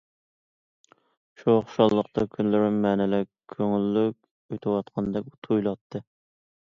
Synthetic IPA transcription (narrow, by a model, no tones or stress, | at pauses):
ʃuɑχʃɑlˠːəqt̪ʰɑkʲʰynlɪɾɪmɛːnɛlɪkkʲʰøŋylːykʲ | øjt̪ʰɪwɑt̪qʰɑnd̪ɛk̚ʲut̪ʰujlˠɑt̪ʰːɨ